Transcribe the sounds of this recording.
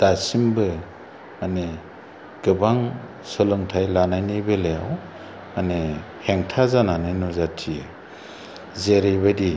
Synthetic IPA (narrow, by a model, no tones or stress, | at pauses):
d̥asimbɯ | mane | ɡ̥ɯbaŋ | sɔlɯŋtʰajlanajnibelejaw | mane | heŋtʰazananɯjnɔzatʰijɯ | zeɾejbadi